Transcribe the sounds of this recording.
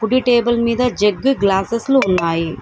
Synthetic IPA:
puɖiʈeːbɐlmiːd̪ɐd͡ʒeɡːiɡlaːsesluːnːaːji

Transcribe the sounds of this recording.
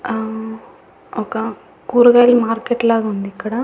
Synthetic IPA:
oːke | kuːɾuɣaːlmaːɾkeʈːlaːɣɐʋɐnd̪ikːɐɽa

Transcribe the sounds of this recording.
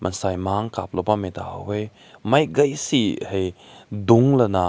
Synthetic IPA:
mʔɐnsajmaŋkap̚lɔpameta̰wej | majɡɐjsihejduŋlɐna

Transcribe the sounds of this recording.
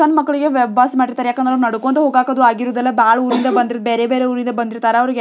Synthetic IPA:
ɐnmɐkːɐɭiɡeʋɛbaːsmaːʈiɾt̪aːɾejaːkːɐnd̪ɾɐlɐnɐɽukoːnt̪ɐɦoːɡaːkɐd̪uaːɡiɾuːd̪ɐlːɐbaːɭuːɾind̪ɐbɐnd̪iɾd̪̚beːɾebeːɾeuːɾind̪ɐbɐnd̪iɾt̪aːɾeɐʋɐɾiɡe

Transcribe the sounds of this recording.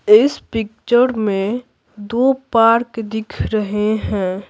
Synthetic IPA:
ɪspɪk̚t͡ʃəɾmẽ | d̪oːpaːɾkd̪ɪkʰɾəɦeɦɛ̃ː

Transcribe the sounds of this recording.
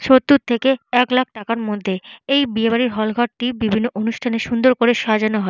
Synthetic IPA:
ʃot̪ːut̪ʰekeɛklak̚ʰʈakaɾmod̪ʱːeejbiebaɾiɾɦɔlɡʱɔʈ̚ʈibibʱinːoʔonuʃʈʰaneʃund̪oɾkoɾeʃad͡ʑanoɦɔe

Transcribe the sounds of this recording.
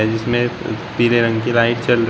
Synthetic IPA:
ɛd͡ʒɪsmẽpiːɾeɾɐ̃ŋɡkilaːɪʈt͡ʃɐlɾ

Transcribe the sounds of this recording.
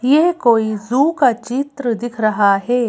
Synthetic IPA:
jeɦkoːizuːkat͡ʃɪt̪ɾəd̪ɪkʰɾɐɦaɦɛː

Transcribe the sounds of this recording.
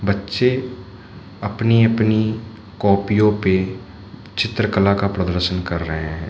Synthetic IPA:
bɐtːʃe | ɐpniɐpni | kɔːpijõpe | t͡ʃɪt̪ɾəkəlakapɾəd̪əɾʃənkɐɾːəɦeɦɛ̃ː

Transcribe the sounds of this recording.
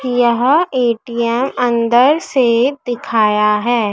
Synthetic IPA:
jɐɦeːʈijɛmɐ̃nd̪əɾssed̪ɪkʰaːjaɦɛː

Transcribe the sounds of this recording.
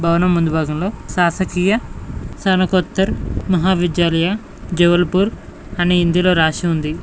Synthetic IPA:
bʱɐwnɐmmːund̪ubʱaːɡɐmlo̞ːʃaːsɐkiːjɐsɐnɐkot̪ːɐɾmɐɦaːʋid̪jaːlɐja | d͡ʒɛʋɐlɐpuːɾ | ɐneind̪ilo̞ːɾaːʃiund̪i

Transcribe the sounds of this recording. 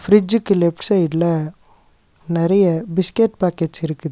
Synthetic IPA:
fɾɪd͡ʒɯkːɯlɛpʈsɐɪɖlɐ | nɪɾɐjɐbɪskeʈ̚paːkeʈt͡ʃɪɾɯkːɯð

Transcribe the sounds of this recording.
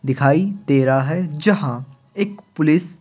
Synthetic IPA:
d̪ɪkʰaːit̪eːɾaɦɛd͡ʒɐɦã | eːkpʊlɪs

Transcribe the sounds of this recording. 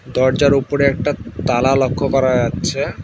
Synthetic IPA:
d̪ɔɾd͡ʑaɾupoɾeɛk̚ʈat̪alalokʰːokɔɾad͡ʑatːɕʰe

